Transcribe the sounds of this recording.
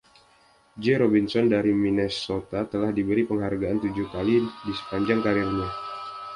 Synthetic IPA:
d͡ʒeɾɔbinsɔndaɾiminɛsot̪at̪əlahdibəɾipəŋɦarɡaant̪ud͡ʒuhkalidisə̥paɲd͡ʒaŋkaɾirɲa

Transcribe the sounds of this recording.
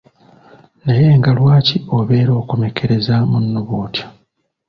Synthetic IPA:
naje̞ːŋɡalwaːcio̞βe̞ːɾo̞ːkume̞kʰeɾe̞zamunːuβoːtjo

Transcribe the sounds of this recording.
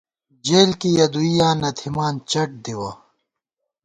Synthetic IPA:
d͡ʑeːlkijɐd̪uijaːnɐt̪ʰimaːnt͡ɕɐʈ̚d̪iwaː

